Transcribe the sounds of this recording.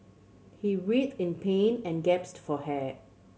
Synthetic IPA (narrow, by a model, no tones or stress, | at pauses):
hiɹitɪ̃npʰẽnɛ̃nɡɛpstfɔhɛ